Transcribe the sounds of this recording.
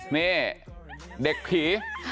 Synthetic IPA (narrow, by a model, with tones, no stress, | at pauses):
niː˥˩ | de˨˩k̚pʰiː˩˦